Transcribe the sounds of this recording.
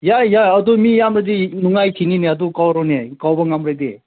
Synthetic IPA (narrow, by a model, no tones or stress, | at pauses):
jajaɐd̪umijamɾadinuŋajtʰinineɐd̪ukawɾɔnekawbɐŋamɾad̪e